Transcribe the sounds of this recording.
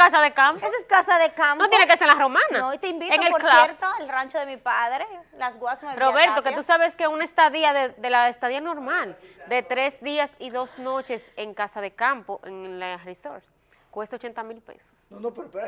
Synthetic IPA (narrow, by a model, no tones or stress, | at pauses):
kasaðekampoeseskasaðekamnot̪jenekeseenlaromãnaoit̪eimbit̪eŋeloɾklaeɾt̪oelrant͡ʃoðemipaðɾelasɣwasmweroβe̞ɾt̪oket̪usaβeskeunaest̪aðiaðeðelaest̪aðiano̞ɾmald̪e̞t̪ɾe̞sd̪iasiðo̞sno̞t͡ʃe̞seŋkasaðe̞kampoʔeŋlariso̰ɾt̪ | kwest̪aot͡ʃe̞nt̪amilpḛso̥sonopɾpe